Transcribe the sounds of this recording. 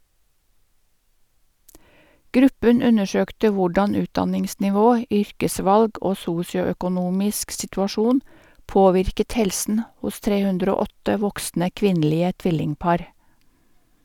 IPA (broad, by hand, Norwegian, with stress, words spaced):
ˈɡɾʉpən ˈʉnəˌʃøːktə ˈʋʊɖɑn ˈʉːtdɑnɪŋsnɪˌʋoː ˈʏɾkəˌsʋɑlɡ ˈoː ˈsuːsɪʊœkʊˌnuːmɪsk sɪtʉɑˈʃuːn ˈpoːʋɪɾkət ˈhɛlsn̩ ˈhʊs ˈtɾeː ˈhʉndɾ ˈoː ˈɔtə ˈʋɔksnə ˈkʋɪnˌliːə ˈtʋɪlɪŋˌpɑːɾ